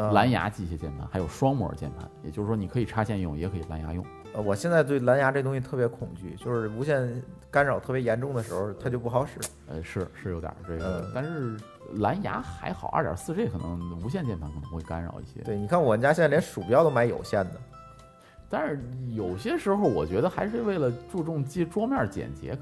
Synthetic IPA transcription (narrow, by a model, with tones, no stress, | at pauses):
la˧˥nja̰˧˥t͡ɕi˥˩ɕjɛ˥t͡ɕjɛ˥˩npʰa˧˩nxa˧˥jo˨˩ʂwɑ˥ŋmwɔ̰˨˩˥t͡ɕjɛ˥˩npʰa̰˧˥njɛ˨˩t͡ɕjo˥˧ʂɻ̩˥˩wɔ˥ni˨˩kʰɤ˧˥i˨˩ʈ͡ʂʰa˥t͡ɕjɛ˥˧n˥˧˩ʊ̰˨˩jɛ˧˥kʰɤ˧˥i˨˩la˧˥nja̰˧˥jʊ̰˥˩ŋ | ə˧˩wɔ˨˩ɕjɛ˥˧nt͡sa˥˧ɪt̪̬we˥˩ɪla˧˥nja˧˥ʈ͡ʂɤ˥˧ɡə˩ʊ̃˥ŋɕ̬i˧t̪ʰɤ˥˩pjɛ˧˥kʰʊ˨˩ŋt͡ɕy̰˥˩t͡ɕjo˥˧ʊʂɻ̩˥˩u˧˥ɕjɛ˥˩nka˥nɻɑ˨˩ʊt̪ʰɤ˥˩pjɛ˧˥jɛ˧˥nʈ͡ʂʊ˥˩ŋd̪ə˩ʂɻ̩˧˥xo˧t̪ʰa˥t͡ɕjo˥˧ʊp̬u˥˩xɑ˧˥ʊʂɻ̩˥˩ | ə̰˧ʂɻ̩˥˩ʂɻ̩˥˩jo˧˥ʊt̪jə̰˨˩ʈ͡ʂe˥˩ɡə̰˥˧˩t̪a˥˧nʂɻ̩˥˩ | la˧˥nja̰˧˥xa˧˥ɪxɑ˨˩˦ʔə̰˞˧˥˩jə̰˨˧˩sɹ̩˥˧ʂe˥˩˨nɤ̰˧˥ŋu˧˥ɕ̬jɛ˥˧nt͡ɕjɛ˥˧nt̪ʰɑ˧˥kʰɤ̰˨˩˧xwe˥˩ɪka̰˥nɻɑ̰˨˩ʊḭ˥˩ɕjɛ̰˥t̪we˩ni˨˩kʰa˥˩nwɔ˨˩mə˦t͡ɕja˥ɕjljʲʂu˨˩u˥jʊt̪o˥ma˧˥ɪjo̰˨˩ʊɕjɛ˥˩nd̪ə˩ | t̪a˥˧nʂɻ̩˥˩jo˨˩ʊɕjɛ˥ʂɻ̩˧˥xo˧ʊwɔ˨˩t͡ɕɥɛ˧˥d̪ə˧xa˧˥ɪʂɻ̩˥˧we˥˩ɪlə˩ʈ͡ʂu˥˧ʈ͡ʂʊ˥˧ŋt͡ɕi˥ʈ͡ʂwɔ˥mjɑ˥˩t͡ɕjɛ̰˨˩nt͡ɕjɛ̰˧˥